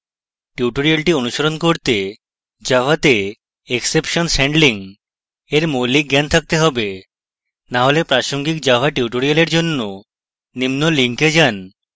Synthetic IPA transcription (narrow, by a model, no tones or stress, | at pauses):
ʈjiʈoɾialʈionuʃoɾonkoɾt̪e | d͡ʑabat̪e | eksepʃonsɛɳɖliŋ | eɾmolik̚ɡɛnt̪ʰak̚t̪eɦɔbe | naɦolepɾaʃoŋɡikd͡ʑabaʈjuʈoɾialeɾd͡ʑonːo | nimnoliŋked͡ʑan